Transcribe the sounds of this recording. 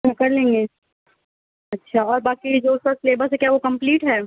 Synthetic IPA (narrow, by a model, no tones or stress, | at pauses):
akɐɾlẽːŋɡeː | ɐtːʃʰaɔːɾbaːkid͡ʒoːsɐsleːbɐsekjaːʋokɐ̃mpliːʈɦɛː